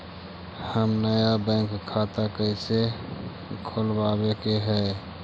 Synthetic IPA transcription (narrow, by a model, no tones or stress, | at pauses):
həmnəjabə̃ŋkʰːat̪akəse | kʰolbabekeɦɛ